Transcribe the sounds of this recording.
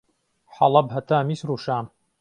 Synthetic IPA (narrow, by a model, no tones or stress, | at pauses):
ħɑlˠɐbɦɐt̪aːmisɾuʃaːn